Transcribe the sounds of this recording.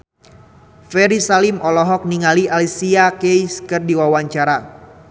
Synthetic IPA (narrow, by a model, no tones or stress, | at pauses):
fɛɾisalimʔɔlɔɦɔk̚niŋaliʔalisiakejskɨrdiwawaɲt͡ʃaɾa